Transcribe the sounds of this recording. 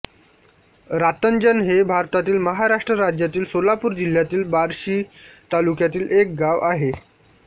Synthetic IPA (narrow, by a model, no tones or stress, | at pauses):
ɾat̪ənd͡ʑənɦebʱaɾt̪at̪iːlməɦaɾaʂʈɾəɾad͡ʑjat̪iːlsolapuːɾd͡ʑil̤jat̪iːlbaɾɕiːt̪alukjat̪iːlʔek̚ɡaʋaɦe